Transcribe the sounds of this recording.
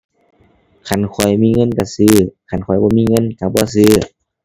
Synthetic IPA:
kʰa˧˨nkʰɔ˨˩jmiː˧˥˨ŋɤ˧˥˨nka˧˩sɯː˧˩˨kʰa˧˩˨nkʰɔ˨˩˦jbɔː˧˦miː˧˥˨ŋɤ˧˥˨nka˧˩bɔː˧˦˨s̬ɯː˧˨

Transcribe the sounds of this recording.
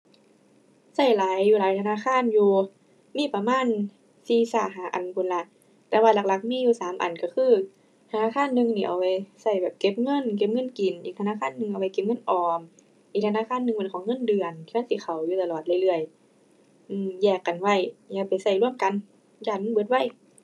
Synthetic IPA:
sa˧˥˩jlaː˨˦jːuː˧laː˨˦jt̪ʰa˧naː˧˥˨kʰaː˧˥˨njuː˧ | miː˧˥˨pa˧maː˧˥˨n | siː˧saː˧˩ɦaː˨˦ʔa˨˩nkʰu˧˨nla˧˥ʔ | t̪ɛː˧waː˧˩la˧k̚la˧˩k̚miː˧˥˨juː˧saː˨˦mʔa̰˨˩nka˧˩xʰɯː˧˥˩ | t̪ʰa˧naː˧˥˨kʰaː˧˥˨nːɯ˧ŋniː˧˩ʔa̰˨˩wpa˧˩jsa˧˩jbɛː˨˩p̚ke˧˥p̚ŋɤ˧˥˨nk̬e˧˥p̚ŋɤ˧˥˨nki˨˩nʔiː˨˩kt̪ʰa˧naː˧˥˨kʰaː˧˥˨nːɯ˧ŋʔa˨˩wa˧˩jke˧p̚ŋɤ˧˥˨nʔɔː˨˩m | ʔiː˨˩k̚tʰnaː˧˥˨kʰaː˧˥˨nːɯ˧ŋpe˧nkʰɔː˨˦ŋːɤ˧˥˨ndɯ˧˩ənt̪ʰi˧a˧˥˨siː˧˦kxʰa˨˩wjuː˧t̪a˧lɔː˨˩t̪̚la˧˨jlɯ˧˩əj | ʔɯː˧˩mjɛː˧˩kːa˨nwa˧˩jjaː˧pa˨jsa˧˩jlu˥˩əmka˧˨n | jaː˧˩ŋɯ˧˨bɯ˧˦t̪̚wa˧˥˨j

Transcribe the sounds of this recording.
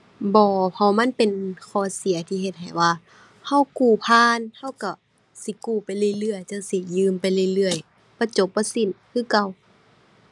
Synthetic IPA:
bɔː˧˦pʰa˧˩wma˧˥˨npe˨nkʰɔː˧˩˦si˨˦ɐt̪ʰiː˧ɦe˧t̪̚ɦa˨˩jwaː˧˩ | ha˧˥˩wkuː˧˩pʰaː˧˥˨nha˧˥˨wka˧˩ | si˧˦kuː˧˩pa˨jlɯ˧˨jlɯ˧əjt͡ɕa˧˩˨wsi˧˦jɯː˧˨mpa˧˨jlɯ˧˨lɯ˧˩əj | pa˧˦t͡ɕo˧˦p̚bɔː˧˦si˧˨nkʰɯː˧˨ka˧˩w

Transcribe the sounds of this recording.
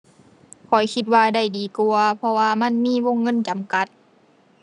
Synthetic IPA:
kʰɔ˨˩jkʰi˧t̪̚waː˧da˧˩jdiː˨˦ku˧ɐpʰɔ˧waː˧ma˧˥˨nmiː˧˥˨wo˧˥˨ŋːɤ˧˥˨nt͡ɕa˨˦mka˧˦t̪̚

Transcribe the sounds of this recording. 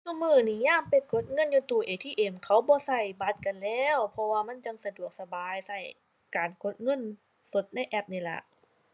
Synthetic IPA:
ku˧˨mɯː˧˩niː˧˦˩jaː˧˥˩mpe˧˩nkʰo˨˦˥t̪̚ŋɤ˧˥˨njuː˧t̪uː˧˩ʔeː˨˧˩t̪ʰiː˧˨ʔe˧˩mkʰa˨˦˥wbɔː˧˦sa˧˩jba˧˥t̪̚ka˧nlɛː˧˥˩wpʰɔ˧waː˧ma˧˥˨nt͡ɕa˧ŋsa˧du˨˩ək̚sa˧baː˨˧jsa˧˩j | kaː˨˩nko˨˦t̪̚ŋɤ˧˥˨n | so˨˦t̪̚na˧˥˨jʔɛ˧˩p̚niː˧˩lɛ̰˨˧˩ʔ

